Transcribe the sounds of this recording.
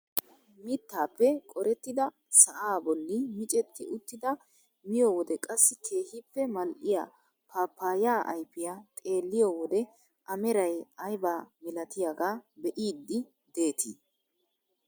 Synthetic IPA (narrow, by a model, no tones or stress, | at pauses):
mɪt̪ːaːpːɛkʼɔɾɛt̪ːɪd̪ɐ | sɐʔaːbɔlːɪmɪt͡ʃʼɛt̪ːɪʔʊt̪ːɪd̪ɐ | mɪjowɔd̪ɛkʼɐsːɪkʰe̞ːhɪpːɛmɐlʔɪja̰ː | pʰaːpːaːjaːʔɐ̰jpːɪjat̪ʼe̞ːlːɪjɔwɔd̪ɛ | ʔɐmɛɾɐjɐjbaːmɪlɐt̪ɪjaɡaːbɛʔiːd̪ːɪ | d̪e̞ːt̪ʰɪ